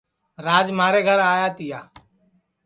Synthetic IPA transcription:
ɾaːd͡ʒmaːɾeːɡʱəɾaːjaːt̪ɪjaː

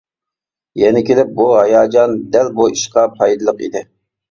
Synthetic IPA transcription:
jɛnɪkʲelɪp̚buɦɑjɑːd͡ʒɑnd̪ælbuiʃqɑpʰɑjd̪ɨlˠəqḭd̪ɪ

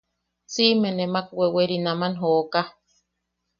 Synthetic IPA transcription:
simẽnemak̚weweɾinamanɦoʔka

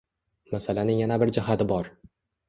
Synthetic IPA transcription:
masalanɪŋjanabɪɾd͡ʒɪɦat̪ɪbɒɾ

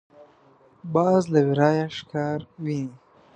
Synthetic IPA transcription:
bɑːzlawiɾɑːjaʃɪ̥kɑːɾwi

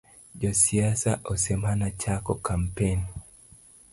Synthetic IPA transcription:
d͡ʒɔsiasaʔosɛmanat͡ʃakɔkampen

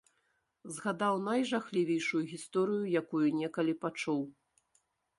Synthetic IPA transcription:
zɣad̪awnajʐaxlʲivʲejʂujuɣʲist̪ɔɾɨjujakujunʲɛkɐlʲipat͡ʂuw

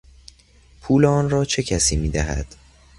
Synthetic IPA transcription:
pʰuːleɒːnrɒːt͡ʃʰe̞cʰæsiːmiːd̪æɦæ̰d̪̥

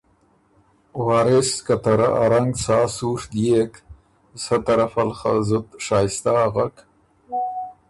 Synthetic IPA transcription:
wɑːɾɪskat̪aɾa̰ʔaɾaŋɡsɑːsuʂd̪jek | sat̪aɾafalχa̰zʊt̪ʂɑːjɪst̪aːɣak

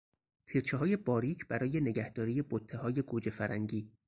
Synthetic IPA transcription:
t̪ʰiːɾt͡ʃʰeɦɒːje̞bɒːɾiːcʰb̥æɾɒːje̞ne̞ɟæhd̪̥ɒːɾije̞bot̪ʰːehɒːje̞ɡud͡ʒe̞fæɾæŋɟiː

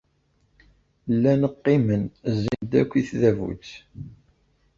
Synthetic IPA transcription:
lːænəqːimənzind̪ækʷːiθðævṵt͡sː

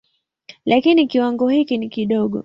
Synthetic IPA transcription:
lakinikiwaŋɡɔhikinikiɗɔɠɔ̰

